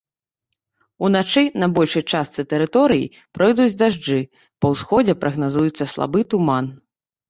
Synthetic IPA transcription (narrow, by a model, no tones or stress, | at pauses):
unat͡ʂɨnɐbɔlʲʂɨjt͡ʂast̪sɨt̪ɛɾɨt̪ɔɾɨjḭ | pɾɔjd̪ud͡zʲd̪aʐd͡ʐɨ | pɐwsxɔd͡zʲɛpɾʔɐɣnazujut̪sːɐslˠa̰bɨt̪uman